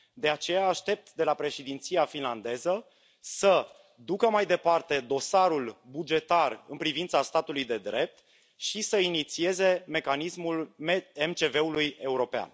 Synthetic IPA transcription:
d̪e̞at͡ʃe̞jaːʃt̪e̞p̚t̪d̪e̞lapɾe̞ʃed̪int̪sijafinland̪e̞zə | sə | d̪ukəmajd̪e̞part̪e̞d̪o̞saɾulbud͡ʒe̞t̪arɨnpɾivint̪sast̪at̪ulujd̪e̞d̪ɾe̞p̚t̪ | ʃisəinit̪sie̞ze̞me̞kanismuleemt͡ʃe̞ve̞uluje̞uɾo̞pea̰n

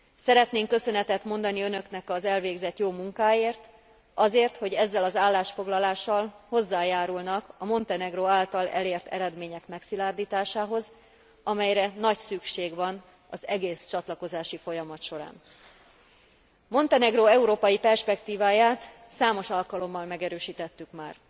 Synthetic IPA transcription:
sɛɾɛt̪neːŋkːø̞sø̞nɛt̪ɛt̪mo̞nd̪ɒniønø̞knɛkɒzɛlveːɡzɛt̪joːmuŋkaːjeːrt̪ | ɒzeːrt̪ho̞ɟɛzːɛlɒzaːlːaːʃfo̞ɡlɒlaːʃːɒlho̞zːaːjaːɾulnɒkɒmo̞nt̪ɛnɛɡroːaːlt̪ɒlɛ̰leːrt̪ɛ̰ɾɛd̪meːɲɛkmɛksilaːrd̪iːt̪aːʃaːɦo̞z | ɒmɛjɾɛnɒcsykʃeːɡvɒn | ɒzɛɡeːst͡ʃɒt̪lɒko̞zaːʃifo̞jɒmɒt̪ʃo̞ɾa̰ːn | mo̞nt̪ɛnɛɡroɛuɾoːpɒjipɛrʃpɛkt̪iːvaːjaːt̪saːmo̞ʃɒlkɒlo̞mːɒlmɛɡɛɾøːʃiːt̪ɛt̪ːykmaːr

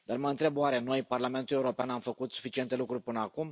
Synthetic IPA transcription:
d̪arməɨnt̪ɾe̞bwaɾe̞no̞jparlame̞nt̪ule̞uɾo̞peanamfəkut̪su̥fit͡ʃie̞nt̪e̞lukɾurʲpɨnəakum

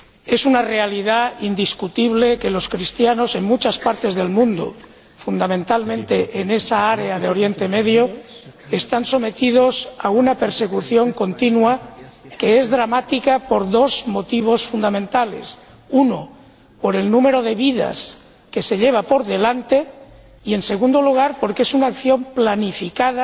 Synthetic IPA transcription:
e̞sunare̞aliðaind̪iskut̪iβ̞le̞ke̞lo̞skɾist̪jano̞se̞ŋmut͡ʃaspaɾt̪e̞zðe̞lmũnd̪o̰ | fund̪amẽ̞nt̪almẽnt̪e̞ʔːne̞saaɾe̞aðeo̞ɾje̞nt̪e̞me̞ðjoest̪anso̞me̞t̪ið̞o̞saunape̞ɾse̞kuθjo̞ŋko̞nt̪inua | ke̞ezðɾamat̪ikapo̞ɾðo̞zmo̞t̪iβ̞o̞sfund̪amẽnt̪ale̞̰s | uno | po̞ɾe̞lnũme̞ɾo̞ðe̞βiða̰s | ke̞se̞ʎe̞β̞apo̞ɾðe̞lant̪e̞ | ie̞nse̞ɣ̞ũnd̪oluɣ̞aɾpo̞ɾkee̞sunaːkθjõ̞mplanifikaða

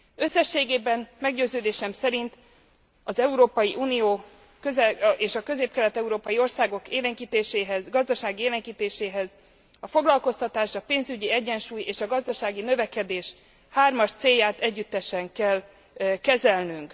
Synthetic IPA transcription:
ø̞sːɛʃːeːɡeːbɛnmɛɡɟøːzøːd̪eːʃɛmsɛɾint̪ | ɒzɛuɾoːpɒjiʔuːnijoː | køzɛeːʃɒkø̞zeːp̚kɛlɛt̪ɛuɾoːpɒjio̞rsaːɡo̞keːlɛŋkiːt̪eːʃeːɦɛzɡɒzd̪ɒʃaːɡieːlɛŋkiːt̪eːʃeːɦɛz | ɒfo̞ɡlɒlko̞st̪ɒt̪aːʃɒpeːnzyɟiɛɟːɛnʃuːjeːʃɒɡɒzd̪ɒʃaːɡinøvɛkɛd̪eːʃ | haːrmɒʃt̪seːjːaːt̪ɛɟːyt̪ːɛʃɛŋkɛl | kɛzɛlnyŋk

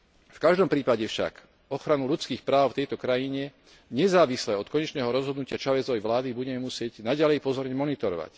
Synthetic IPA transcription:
fkaʒd̪ɔmpɾiːpaɟɛfʃa̰k | ɔxɾanuʎut͡skiːxpɾaːʊft̪ɛjt̪ɔkɾajiɲɛ | ɲɛzaːʋislɛːɔt̪̚kɔɲɛt͡ʃnɛːɦɔɾɔzɦɔd̪nucɪat͡ʃaʋɛzɔɛjʋlaːd̪ibuɟɛmɛmusɪɛɟnaɟalɛjpɔzɔɾɲɛmɔnit̪ɔɾɔ̰ʋa̰c

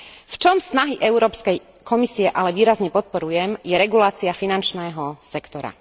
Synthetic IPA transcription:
ft͡ʃɔmsnaɦiʔɛʊɾɔːpskɛj | kʰɔmisiɛʔalɛʋiːɾazɲɛpɔt̪̚pɔɾujɛmjɛɾɛɡulaːt͡siafinant͡ʃnɛːɦɔsɛkt̪ɔɾa̰

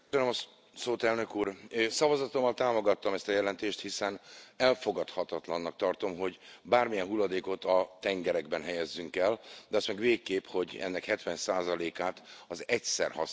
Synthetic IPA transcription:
ønømɒ | soːt̪ɛlnø̞kuːrøsɒvɒzɒt̪o̞mːɒlt̪aːmo̞ɡɒt̪ːɒmɛst̪ɒjɛlɛnt̪eːʃt̪hisɛnɛlfo̞ɡɒt̪hɒt̪ɒt̪lɒnːɒk̚t̪ɒrt̪o̞mɦo̞ɟbaːrmijɛnɦulːɒd̪eːko̞t̪ɒt̪ɛŋɡɛɾɛɡbɛnɦɛjɛzːyŋkɛld̪ɛɒst̪mɛɡveːkːeːpho̞ɟɛ̰nːɛkhɛt̪ʋɛnsaːzɒleːkaːt̪ɒzɛcsɛ̰rhɒ̰

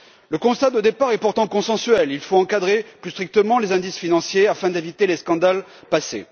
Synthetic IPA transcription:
ləkɔ̃st̪ad̪əd̪epaʁɛpuʁt̪ɑ̃kɔ̃sɑ̃syɛlilfoɑ̃kad̪ʁeplyst̪χik̚t̪əmɑ̃lezɛ̃d̪isfinɑ̃sjeafɛ̃d̪evit̪eleskɑ̃d̪al | pasḛ

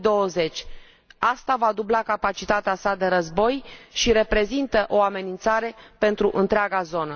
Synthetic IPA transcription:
d̪o̞wəze̞t͡ʃʲ | ast̪avad̪ublakapat͡ʃit̪at̪easad̪e̞ɾəzbo̞jʃiɾe̞pɾe̞zint̪əʔo̞ame̞nint̪saɾe̞pe̞nt̪ɾuʔɨnt̪ɾeaɡazo̞nə

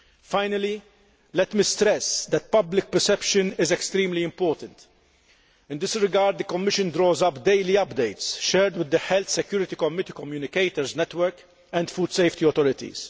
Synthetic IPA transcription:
faɪnɐli | lɛt̪mist̪ɾɛsd̪ɛt̪̚pɐblɪk̚pɛɾsɛpʃɨnɪzɛkst̪ɾiːmliɪ̃mpɔːɾt̪ə̃nt̪ | ɪ̃nd̪ɪsɾɪɡɐːɾd̪̚d̪əkɔmːɪʃə̃nd̪ɾɔːzɐpd̪eɪliɐpd̪eɪt̪sʃɛːɾd̪wɪd̪ːəħɛlθsɛkjuːɾɪt̪ikɔmɪt̪ikɔmjuːnɪkeɪt̪əɾznɛt̪wəɾk | ɛ̃nd̪fuːd̪sejft̪iɔt̪ɔɾɪt̪ḭz̥

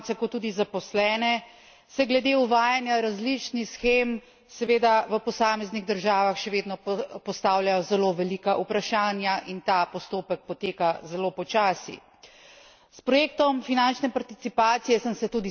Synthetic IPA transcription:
t̪ɛkɔt̪ːuːd̪izapɔslɛːnɛ | sɛɡlɛd̪euʋaːjanjaɾazlit͡ʃnixsxeːm | sɛʋeːd̪aʋəpɔsaːmɛzniɣd̪əɾʒaːʋaxʃɛʋeːd̪nɔpɔst̪aːwljajɔzɛloʋɛlikaʔupɾaʃaːnjaʔint̪apɔst̪oːpək̚pɔt̪eːkazɛlopɔt͡ʃaːsḭ | spɾɔjeːk̚t̪ɔmfinant͡ʃnɛpaɾt̪it̪sipaːt̪sijɛsəmsɛt̪uːd̪i

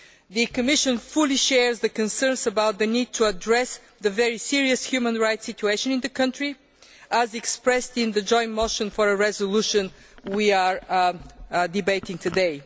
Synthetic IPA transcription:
ðɨkəmɪʃə̃nfulˠiʃɛɹzðəkɨ̃nsɜ̃˞nsəbaʊt̪̚ðɨnid̚tʰuədɹɛs | ðəvɛɹisiɹiɨshjumə̃nɹaɪtsɪt͡ʃueɪʃə̃nɪ̃nðəkʰʌ̃ntɹi | ʔəzɛkspɹɛstɪ̃nðəd͡ʒɔ̃ɪ̃ntmoʊʃə̃nfəɹəɹɛzəluʃə̃n | wiəɹ | dɨbeɪtɪ̃ŋtʰɨdeɪ

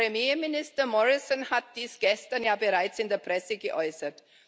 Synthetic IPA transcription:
emjeːmɪnɪstɐmɔʁɪsɔnhat̚d̥iːsɡ̥ɛstɐnjaːbəʁaɪt͡sɪndeːɐpʁ̥ɛsəɡəʔɔʏsɐt

